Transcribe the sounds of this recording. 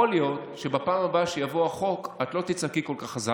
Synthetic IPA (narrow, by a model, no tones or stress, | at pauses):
oljo̞tʃebapaːmabaʃejavo̞aχo̞kat̪lo̞t̪it͡sakiko̞lkaχaza